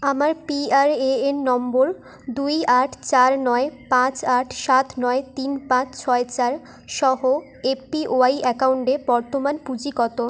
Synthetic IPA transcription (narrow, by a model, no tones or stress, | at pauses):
amaɾpiaɾeenːɔmboɾ | d̪ujaʈʰt͡ɕaɾnɔepãt͡ɕaʈʰʃat̪nɔet̪inpãt͡ɕt͡ɕʰɔet͡ɕaɾ | ʃɔɦo | eiʔoajɛkauɳʈebɔɾt̪omanpud͡ʑikɔt̪o